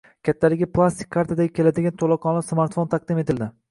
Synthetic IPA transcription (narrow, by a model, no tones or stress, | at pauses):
kʲʰat̪ʰːalɪɡʲɪpʰlˠast̪ʰɪ̥kʲʰːaɾt̪ʰad̪aɡʲɪkʰʲe̞lad̪ɪɡʲant̪ʰolˠɒqʰɒnasmaɾt̪font̪ʰɑq̚d̪ɪmet̪ʰɪld̪ɪ